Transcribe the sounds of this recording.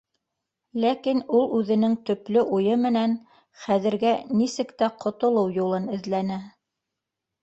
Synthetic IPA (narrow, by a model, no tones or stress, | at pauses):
lækinulˠʉðɘ̆nɘŋt̪ɵ̆plɵʔujɤmɘ̆næn | χæðɘ̆ɾɡænisɘ̆kt̪æqʰŏt̪ŏlˠɤwjulˠɤnɘ̆ðlænæ